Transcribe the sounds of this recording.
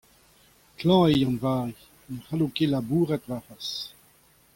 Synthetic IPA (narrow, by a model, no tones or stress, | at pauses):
klɑ̃ejɑ̃nvaːʁi | nəχalokelabuːʁɛt̪vafas